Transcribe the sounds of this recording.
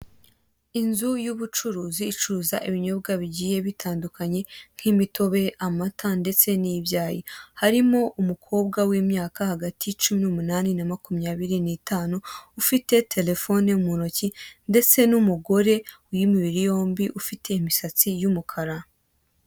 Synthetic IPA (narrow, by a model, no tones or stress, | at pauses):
inzujuβut͡ʃuɾuːziːt͡ʃuzaʔiβiɲo̞bɡaβiɟiːjeβitʰaːndukʰaɲe̞ŋ̥himitʰo̞βe̞ʔamatʰande̞t͡se̞nibjaːjihaɾimo̞ʔumukʰo̞ːb̚ɡawiːmɲaːkahaɡatijt͡ʃuminumunaːninamakumɲaːβiɾinitaːnuːfite̞tʰe̞le̞fo̞neumunocinde̞t͡se̞numuɡo̞ɾe̞wjimiβiɾijo̞ːmbiʔufite̞imisat͡sijumukʰaɾa